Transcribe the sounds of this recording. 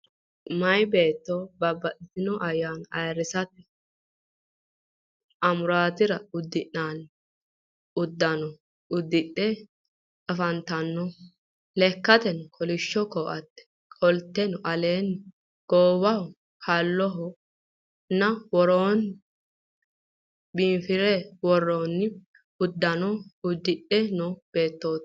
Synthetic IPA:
mɐjbe̞ːt̪ːɔbɐbːɐʔɪzɪnɔʔɐjːaːnɐjɾɪsɐt̪ɛ | ʔɐmʊɾaːt̪ɪɾɐʊd̪ːɪʔːaːn | ʊd̪ːɐnɔ | ʊd̪ːɪɗːɛ | ɐfɐnt̪ɐnːɔ | lɛkːɐt̪ɛnkʰɔlɪʃːɔkɔːʔɐt̪ːɛ̥ | kʼɔlt̪ːɛnɔʔɐleːnː | ɡ̥oːwɐʊ | kɐlːɔɦɔ | nɐwɔɾoːn | bifɪɾɛwɔrːoːnːɪ | ʊd̪ːɐnɔʊd̪ːɪɗɛnɔb̥e̞ːt̪ːoːt̪ː

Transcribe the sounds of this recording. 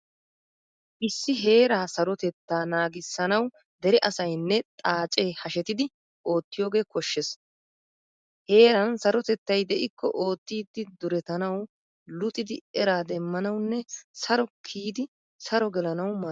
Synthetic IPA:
ʔɪsːɪɦe̞ːɾaːsɐɾɔt̪ɛt̪ːaːnaːɡɪsːɐnɐw | d̪ɛɾɛʔɐsɐjnːɛt̪ʼaːt͡ʃʼeːhɐʃɛt̪ɪd̪ɪ | ʔo̞ːt̪ːɪjo̞ːɡe̞ːkɔʃːes | he̞ːɾɐnsɐɾɔt̪ɛt̪ːɐjd̪ɛʔɪkʰːɔ̰ʔo̞ːt̪ːiːd̪ːɪd̪ʊɾɛt̪ɐnɐw | lʊt̪ʼɪd̪ɪɛɾaːd̪ɛmːɐnɐwnːɛsɐɾɔkʰiːd̪ɪ | sɐɾɔɡɛlɐnɐwma

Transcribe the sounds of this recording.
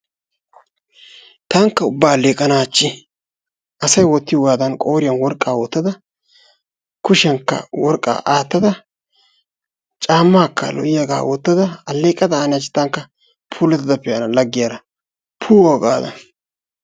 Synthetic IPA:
t̪aːŋkːɐʊbːaːlːeːkʼːɐnaːt͡ʃːɪ | ʔɐsɐjwɔt̪ːɪjɡaːd̪ɐnkʼo̞ːɾɪjɐnwɔɾkʼːaːwɔt̪ːɐd̪ɐ | kʊʃɪɐŋkːɐ̰wɔɾkʼa̰ːʔaːt̪ːɐd̪ɐ | t͡ʃʼaːmːaːkːɐ̰lɔ̰ʔɪjaɡa̰ːwɔt̪ːɐd̪ɐɐlːeːkʼːɐd̪ɐaːnɪjɐt͡ʃːɪ̥t̪ːɐŋkːɐ | pʰuːlɛt̪ːɪd̪ɐpːɛjɐnɐlɐɡːɪjaɾɐ | pʰuːwoɡa̰ːd̪ɐ̰n

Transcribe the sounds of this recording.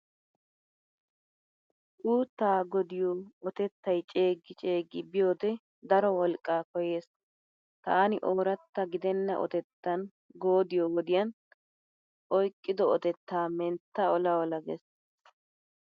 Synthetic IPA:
ʔuːt̪ːaːɡɔd̪ɪjoːɔt̪ɛt̪ːɐjt͡ʃʼeːɡːɪt͡ʃʼe̞ːɡɪbɪjo̞ːd̪ɛ | d̪ɐɾɔwɔlkʼːaːkɔjeːs | t̪aːnɪʔo̞ːɾɐt̪ːɐɡɪd̪ɛnːɐʔɔ̰t̪ɛt̪ːɐn | ɡoːd̪ɪjowɔd̪ɪjɐn | ʔɔjkʼːɪd̪ɔɔt̪ɛt̪ːaːmɛnt̪ːaɔlɐwɔlɐɡɛ̰s

